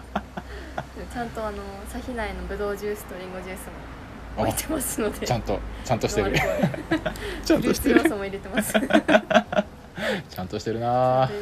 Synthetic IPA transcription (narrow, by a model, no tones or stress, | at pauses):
t͡ɕãnt̪o̞ano̞saçʲinaino̞bɯ̟d̪o̞ːʑɨːsɨ̥t̪oɾʲĩŋɡo̞d͡ʑɨːsɨmo | t̪emasɨno̞d̪et͡ɕãnt̪o̞t͡ɕãnt̪o̞ɕit̪eɯ̟ | t͡ɕãnoɕi̥t̪eɾsomoiɾe̞t̪e̞masɨ̥ | t͡ɕãnt̪o̞ɕi̥t̪e̞ɾɯ̟na